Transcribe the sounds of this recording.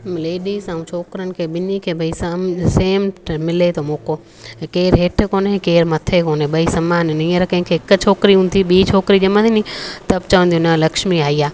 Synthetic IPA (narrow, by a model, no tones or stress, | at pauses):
mleːɗizɐ̃ũt͡ʃʰoːkɾənɪ̆kʰeːɓɪnikʰeːbʱɐisɐseːmmɪlet̪ʰomoːko | keːɾɦeːʈʰkoːnɦekeːɾmɐt̪ʰekoːneɓɐisɐmaːnnĩːə̃ɾkɐ̃ɦɪ̃kʰeɪkt͡ɕʰoːkɾiɦũːn̆d̪iɓiːt͡ɕʰoːkɾid͡ʑɐmə̃ninĩt̪ɐbt͡ɕɐʋə̃nd̪iunɐlɐkʃmiaːiaː